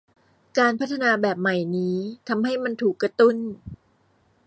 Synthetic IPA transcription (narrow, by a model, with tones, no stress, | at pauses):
kaː˧npʰa˦˥t̪ʰːa˧naː˧bɛː˨˩p̚ma˨˩jniː˦˥t̪ʰa˧mɦa˥˩jma˧nt̪ʰuː˨˩kːɾa˧t̪u˥˩n